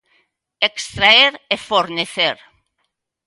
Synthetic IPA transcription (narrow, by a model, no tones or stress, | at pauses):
ekst̪ɾaeɾefoɾneθeɾ